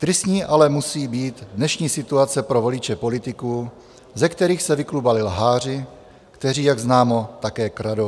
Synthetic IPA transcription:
t̪ɾɪsɲiːʔalɛmusiːbiːd̪dnɛʃɲiːsɪt̪uat͡sɛpɾo̞vo̞lɪt͡ʃɛpo̞lɪt̪ɪkuː | zɛkt̪ɛɾiːxsɛvɪklubalɪlɦaːr̝ɪ | kt̪ɛriːjaɡznaːmo̞t̪akɛːkɾado

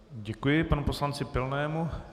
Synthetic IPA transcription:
ɟɛkujɪpanuposlant͡sɪpɪlnɛːmu

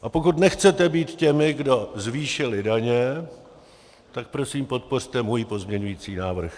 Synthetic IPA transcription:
ʔapo̞kut̪nɛxt͡sɛt̪ɛbiːt̪cɛmɪɡdo̞zviːʃɪlɪdaɲɛ | t̪ak̚pɾo̞siːmpo̞t̪̚por̝̥t̪ɛmujpo̞zmɲɛɲujiːt͡siːnaːvr̩x

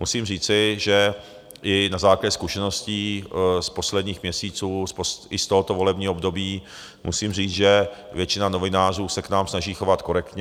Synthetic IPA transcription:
musiːmr̝iːt͡sɪʒɛ | ʔɪnazaːklaɟɛskuʃɛno̞sciːspo̞slɛd̪ɲiːxmɲɛsiːt͡suːspoɪst̪oɦot̪ovo̞lɛbɲiːɦbdobiː | mʔṵsiːmr̝iːt͡sʒɛ | vjɛt͡ʃɪnano̞vɪnaːr̝uːsɛknaːmsnaʒiːxo̞vat̪ko̞ɾɛkt̪ɲɛ

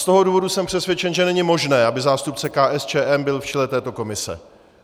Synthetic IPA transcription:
st̪o̞ɦo̞duːvo̞dusɛmpr̝̥ɛsvjɛt͡ʃɛnʒɛnɛɲɪmo̞ʒnɛːʔabɪzaːst̪up̚t͡sɛkaːʔɛst͡ʃɛːʔɛmbɪlft͡ʃɛlɛt̪ɛːt̪o̞ko̞mɪsɛ̰

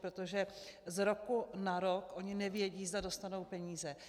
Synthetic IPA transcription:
pɾot̪oʒɛzɾo̞kunaɾo̞kʔo̞ɲɪnɛvjɛɟiːzdado̞st̪ano̞wpɛɲiːzɛ

